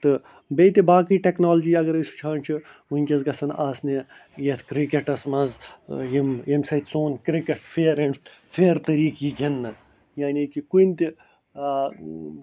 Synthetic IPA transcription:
t̪ɨ | beːt̪ibaːkiːʈeknaːld͡ʒiːɐɡɐɾisu̥t͡ʃʰaːnt͡ʃʰiunʲkʲɐzɡɐsɐnaːsne | jet̪ʰkɾikeʈɐsmɐzjimjemsɐt̪ʲsoːnkɾikeʈfeːɾɐɳfeːɾt̪ɐɾiːkjiɡʱʲɐnːɐ | jaːniːkikunt̪i

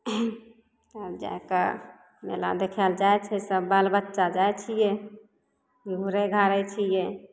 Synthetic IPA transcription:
əd͡ʒa̰ekə | mḛla̰d̪ekʰɛld͡ʒaet͡ʃʰɛsəbbalbətːʃad͡ʒaet͡ʃʰijɛ | ɡʱuɾeɡʱaɾɛt͡ʃʰijɛ

